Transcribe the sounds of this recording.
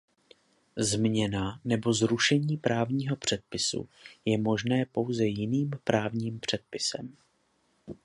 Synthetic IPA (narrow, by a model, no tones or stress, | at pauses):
zmɲɛnanɛbo̞zɾuʃɛɲiːpɾaːvɲiːɦo̞pr̝̥ɛt̪̚pɪsṵjɛmo̞ʒnɛːpo̞wzɛjɪniːmpɾaːvɲiːmpr̝̥ɛt̪̚pɪsɛ̰m